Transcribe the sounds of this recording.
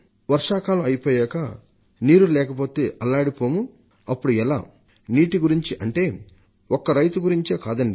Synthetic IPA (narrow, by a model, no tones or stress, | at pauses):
ʋɐɾʂaːkaːluɐjipoːjɛːkɐ | niːɾulɛːkɐpo̞ːt̪e̞ːʔɐlːaːɽipoːmu | ɐpːuɽuɛla̰ː | niːʈiɡuɾiɲt͡ʃiʔɐɳʈe̞ː | ɔkːɐɾɐjt̪uɡuɾiɲt͡ʃeːkaːd̪ɐɳɖi